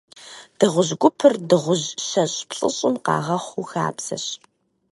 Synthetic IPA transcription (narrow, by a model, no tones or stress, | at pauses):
d̥ɨʁʷʊʑɡʷʊpʰɨrdɨʁʷʊʑɕɐɕʼpsʼɨ̰ɕʼɪmqɑ̰ːʁɐχʷuxa̰ːpsɐ̰ɕ